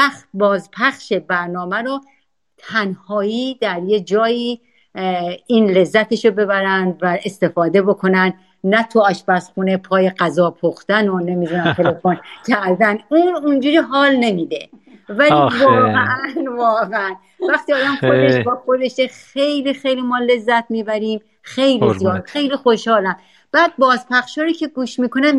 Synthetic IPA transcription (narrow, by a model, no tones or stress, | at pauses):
æxt̪̚bɒːzpʰæxʃe̞bæɾnɒːmæɾɔ | t̪ʰænhɒːiːd̪æɾje̞d͡ʒɒːjiː | iːnle̞zːæt̪ʰe̞ʃobe̞bæɾænd̪væʔe̞st̪e̞fɒːd̪e̞bo̞kʰo̞næn | næt̪ʰuɒʃbæsχunepʰɒːje̞ɡæzɒːpʰoxt̪ænone̞miːd̪unæmt̪ʰe̞le̞foncʰæɾd̪ænuːnund͡ʒuːɾiːɦɒːlne̞miːd̪evælivɒːɣeʔæænvɒːɣeæn | væxt̪iːɒːd̪æmxod̪e̞ʃbɒːxod̪e̞ʃexe̞jliːxejliːmɒːle̞zːæt̪̚ʰmiːbæɾiːm | xe̞jlizijɒːd̪xe̞jliːxoʃhɒːlænd̪ | b̥æːd̪̚bɒːzpʰæxʃɒːɾiːcʰe̞ɡuːʃmiːkʰo̞nem